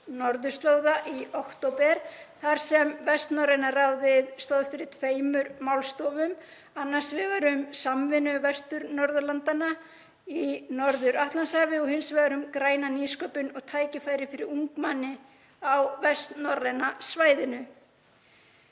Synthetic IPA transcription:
nɔɾðʏ̥st̪loːwðaʔiowkt̪owpɛɾθaɾ̥sɛmvɛst̪nɔrejnarawðɪðst̪ɔðfɪɾɪɾ̥t̪ʰveːjmʏɾmawlst̪ɔːvʏm | anːḁsvɛːɣaɾʏmsamvɪnʏvɛst̪ʏɾnɔɾðʏlant̪ana | inɔɾðʏɾaht̪lansavɪɔhɪnsvɛɣaɾʏmkɾaːjnaniskɔpʏnɔɣt̪ʰaːjcɪfaːjɾɪfɪɾɪɾuŋkmanːɪ | awvɛst̪nɔrːɛnasvaːjðɪnʏ

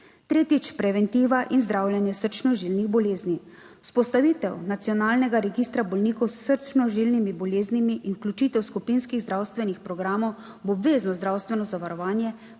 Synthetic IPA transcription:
t̪ɾeːt̪it͡ʃpɾɛʋɛnt̪iːʋaʔinzd̪ɾaːwljɛnjɛsəɾt͡ʃnɔʒilniɣbɔleːzni | u̥spɔst̪aʋiːt̪ɛwnat̪sijɔnaːlnɛɡaɾɛɡiːst̪ɾabɔlnikɔwssəɾt͡ʃnɔʒilnimibɔleːznimiʔinuklʲut͡ʃiːt̪ɛwskupinskiɣzd̪ɾaːwst̪ʋɛnixpɾɔɡɾaːmɔw | bɔbʋeːznɔzd̪ɾaːwst̪ʋɛnɔzaʋaɾɔʋaːnjɛ

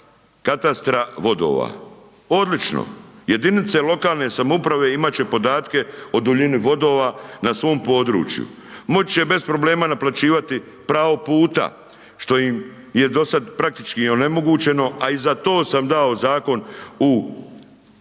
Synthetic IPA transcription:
kat̪ast̪ɾaʋo̞d̪o̞̰ːʋa̰ | o̞d̪lit͡ʃno̰je̞d̪init̪se̞lo̞kaːlˠne̞samoupɾaʋe̞imat͡ɕe̞po̞d̪aːt̪ke̞o̞d̪uʎiniʋo̞d̪o̞ːʋanasʋo̞ːmpo̞ːd̪ɾṵːt͡ʃjṵ | mo̞t͡ɕt͡ɕe̞be̞spɾo̞ble̞ːmanaplat͡ɕiːʋat̪i | pɾaːʋo̞puːt̪a̰ | ʃt̪o̞jim | je̞d̪o̞sad̪pɾak̚t̪it͡ʃkione̞mo̞ɡuːt͡ɕe̞no̞aizat̪o̞ːsamd̪ao̞zaːko̞nu

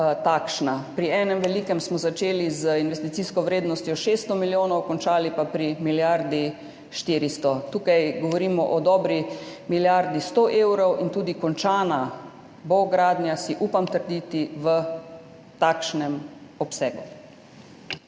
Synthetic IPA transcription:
t̪akʃnapɾiɛːnɛmʋɛliːkɛmsmɔzat͡ʃeːlizəinʋɛst̪it̪siːskɔʋɾeːd̪nɔst̪jɔʃeːst̪ɔmiljoːnɔwkɔnt͡ʃaːlipapɾimiljaɾd̪i | ʃt̪iːɾist̪ɔt̪uːkajɡɔʋɔɾiːmɔʔɔd̪ɔːbɾimiljaɾd̪ist̪oʔewɾɔwint̪uːd̪ikɔnt͡ʃaːna | boɡɾaːd̪njasiʔuːpamt̪əɾd̪iːt̪iʋə | t̪aːkʃnɛmɔpsɛːɡu

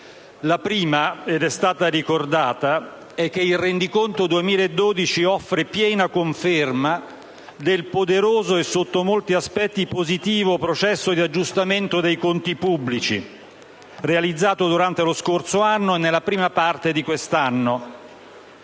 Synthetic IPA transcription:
lapɾiːmaed̪ɛst̪aːt̪aɾikord̪aːt̪a | ɛk̟ːeilrend̪ikont̪od̪uemiːlaed̪ːoːd̪it͡ʃiɔfːɾepjɛːnakoɱferma | d̪elpod̪eɾoːzoesːot̪ːomolt̪iaspɛt̪ːipozit̪iːvopɾot͡ʃɛsːod̪iad͡ʒːust̪ament̪od̪ejkont̪ipubːlit͡ʃḭ | realid̪zːaːt̪od̪uɾant̪eloskorsoanːoenːelːapɾiːmapart̪ed̪ikwest̪anːo

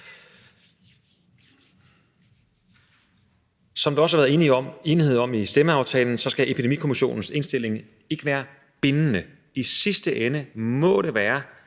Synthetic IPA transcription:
sɒ̽md̥uɒ̽səhɑʋæːðˠenie̝ːnihe̝ð̰ˠɒ̽misd̥eməɑ̈ʊt͡sʰɛ̰ːln̩sɒ̽sɡ̥æʔepʰid̥emḭkʰo̝miɕo̝̰ːnn̩se̝nsd̥e̝le̝ŋ | e̝ɡ̥əʋæːɐ | b̥e̝nənə | isisd̥əʔenəmɒ̽ɾ̥e̝ʋæːɐ

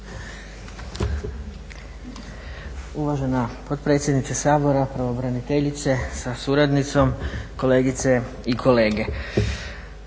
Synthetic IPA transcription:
uʋaʒe̞napo̞d̪pɾet̪sʲjed̪nit̪sasaːbo̞ɾapɾaʋobɾanit̪eʎit̪se̞sasuɾad̪nit̪so̞mko̞le̞ːɡit̪se̞ | ikʰo̞le̞ːɡe̞

